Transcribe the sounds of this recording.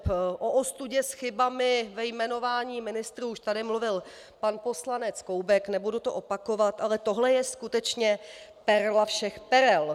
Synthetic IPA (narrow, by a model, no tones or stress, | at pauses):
ʔoʔost̪uɟɛsxɪbamɪvɛjmɛno̞vaːɲiːmɪnɪst̪ɾuːuʃt̪adɪmluvɪl | panpo̞slanɛt͡skowbɛknɛbudut̪o̞ʔo̞pako̞vat̪ʔalɛt̪oɦlɛjɛskut̪ɛt͡ʃɲɛpɛɾlafʃɛxpɛɾɛl